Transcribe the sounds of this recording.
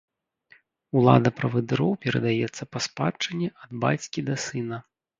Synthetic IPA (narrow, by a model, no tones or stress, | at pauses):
ulˠa̰d̪ɐpɾɐvɨd̪ɨɾɔwpʲɛɾɐ̰d̪ajɛt̪sːɐpɐspat͡ʂɐnʲːɛʔɐd̪ba̰t͡sʲkʲid̪ɐsɨnɐ